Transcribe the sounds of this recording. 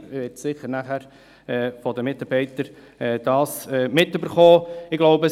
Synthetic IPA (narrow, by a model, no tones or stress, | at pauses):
mɪʋɪtsɪχəɾnæχæːɾ | ɛːfɔd̪əmɪt̪ɑɾb̥ɛɪtəɾ | ɛːd̥ɑːsɛːmɪtːøbəɾχoːɪɡloʊbə